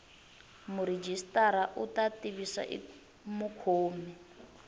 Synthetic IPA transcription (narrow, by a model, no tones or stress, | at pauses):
muɾed͡ʒistʼaɾaʔutatiβisa̰ʔḭ | mukʰoːmɛ